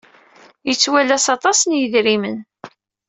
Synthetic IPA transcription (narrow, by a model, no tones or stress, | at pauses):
jət͡sːwælæsɑt̪ˤɑsənjəðɾimən